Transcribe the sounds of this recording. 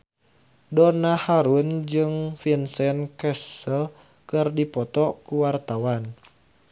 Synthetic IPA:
dɔnahaɾund͡ʒɨŋfinsɛnkɛsəl | kɨrdipɔt̪ɔkuwart̪awan

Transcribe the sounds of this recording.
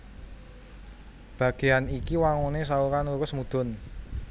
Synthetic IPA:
b̥ä̤ɡ̥e̤anikiwaŋunes̬aukanukʊsmud̪̥ʊ̤n

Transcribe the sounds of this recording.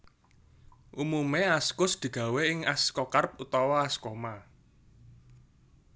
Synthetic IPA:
ʔumumeaskʊsd̪̥i̤ɡ̥a̤weɪŋaskɔkarp̚ut̪ɔwɔaskoma

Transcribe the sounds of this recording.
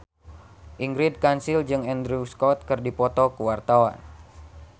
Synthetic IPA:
ʔiŋɡɾid̚kansild͡ʒɨŋɛnd̪ɾuskɔt̪̚kɨrdipɔt̪ɔkuwart̪awa̰n

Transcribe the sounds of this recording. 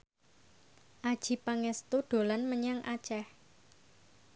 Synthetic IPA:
ʔad̥ʒ̥i̤paŋɛst̪uɖ̪̥o̤lanməɲaŋʔat͡ʃɛh

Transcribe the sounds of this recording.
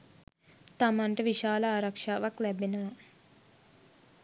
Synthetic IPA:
t̪ɐmɐɳʈeʋiʃaːlɐaːɾɐkʂaːʋɐklebinɐʋɐ

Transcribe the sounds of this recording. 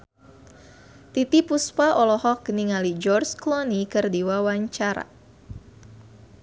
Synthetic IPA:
t̪it̪ipuspaʔɔlɔhɔk̚ːəniŋalid͡ʒɔrsklɔnikɨrdiwawaɲt͡ʃaɾa̰

